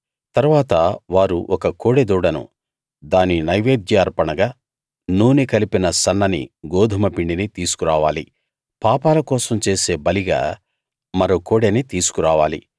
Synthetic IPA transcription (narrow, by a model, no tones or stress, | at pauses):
t̪ɐɾuʋaːt̪ɐʋaːɾuʔɔkɐkoːɽed̪uːɽɐnṵ | d̪aːninɐjʋeːd̪jɐːɾpɐɳɐɡaː | nuːnikɐlipinɐsɐnːɐnḭɡoːd̪ʱumɐpiɳɖinit̪iːsu̥kuɾaːʋaːli | paːpaːlɐkɔːsɐmt͡ʃe̞ːse̞ːbɐliɡa̰ː | mɐɾoːkoːɽenit̪iːsu̥kuɾaːʋaːlḭ